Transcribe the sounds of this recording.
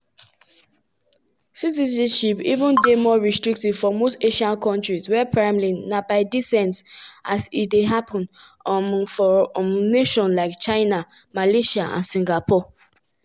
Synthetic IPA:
sitizãnʃipḭvə̃ndemɔɹistɹik̚tiv̥fɔmosteʃãnkʰɔ̃ntɹiswɛpʰɹamlinabaɪdisɛ̃ntsʔasitdeɦapʰɔ̃n | fɔmneʃɔ̃nlaɪkt͡ʃaɪna | maleʃaã̰nsĩŋɡapʰɔ

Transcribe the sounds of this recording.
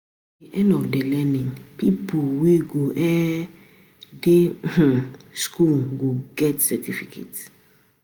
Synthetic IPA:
diʔɛ̃ndɔfdelɛnĩŋpipʰoweɡoʔɛ | de | skʰulɡoɡɛtsɛtʰifikʰḛt

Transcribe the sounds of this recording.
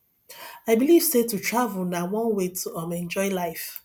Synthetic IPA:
aɪbiliv̥setutʰɹavəlˠnawɔ̃nwetʰuʌ̃mɛ̃nd͡ʒɔɪlaɪf

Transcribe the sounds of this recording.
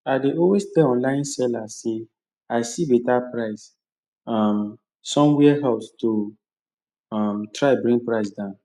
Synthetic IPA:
adeʔɔwestɛɔ̃nlãɪ̃nsɛlase | aɪsibetapɹaɪs | am | sɔ̃mwɛɦaʊsto | ɔmtɹaɛbɹĩŋɡ̚pɹaɪsdãʊ̃n

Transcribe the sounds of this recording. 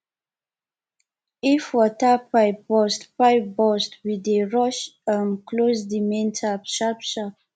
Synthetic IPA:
ifwɔtəpajbɔstpajbɔstwideɹɔʃəmklozdimɛ̃ntʰapʃapʃa

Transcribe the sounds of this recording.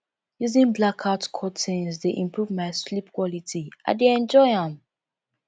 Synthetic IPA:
juzĩnblakʰaʊtkʰɔtʰĩnsdeʔĩmpʰɹuvmaɪslipkwɔlitia̰ɪdeɛ̃nd͡ʒɔɪãm

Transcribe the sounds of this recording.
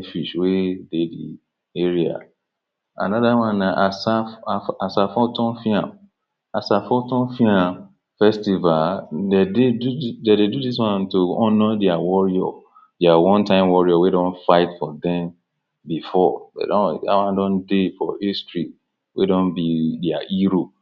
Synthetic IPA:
fiʃwededḭ | eɹia̰ | a̰nɔðawãnːaʔasafaasafɔtɔ̃nfiãm | asafɔtɔ̃nfiã | fɛstivaldededudededudiswãntoɔnɔdɛawɔɹiɔ̰ | dɛawɔ̃ntãɪ̃mwɔɹiɔwedɔ̃nfaɪtfɔdɛ̃m | bifɔdḛdɔ̃na̰wãndɔ̃ndefɔhistɹi | wʔḛdɔ̃nbidɛaʔiɾo

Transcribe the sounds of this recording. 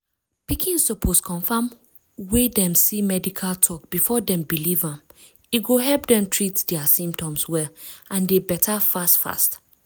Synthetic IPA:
pikʰĩnssopʰoskʰɔ̃ɱfãm | wedɛ̃msimɛdikʰaltʰɔkb̥ifɔdɛ̃mbilivãm | iɡoɦɛlpdɛ̃mtʰɹitdɛasĩmp̚tɔ̃mswɛlãndebɛtʰafastfa̰st

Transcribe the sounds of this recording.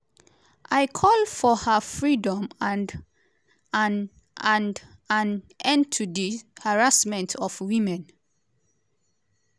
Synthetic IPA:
ʔaɪkʰɔlfɔhafɹidɔ̃man | an | ãnd | ãn | ɛ̃ntʰudihaɹasmɛ̃ntʰɔfwĩmɛ̃n

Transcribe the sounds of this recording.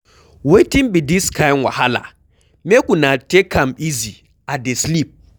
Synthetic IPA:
wetinbidiskʰajnwa̰hala̰ | mekunatekʰamizi | adeslip̚

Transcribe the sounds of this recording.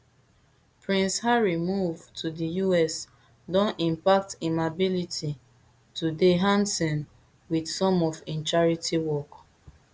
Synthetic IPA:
pɹĩnshaɹimuvtʰudijuɛs | dɔ̃nĩmpak̚timabiliti | tudeɦãnsɔ̃n | widsɔ̃mɔfĩnt͡ʃaɹitiwɔk

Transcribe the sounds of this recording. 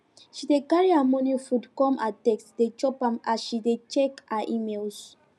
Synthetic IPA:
ʃidekaɹiamɔ̃nifudkɔ̃ma̰tɛksdet͡ʃɔpãmaʃidet͡ʃɛkaʔimelz

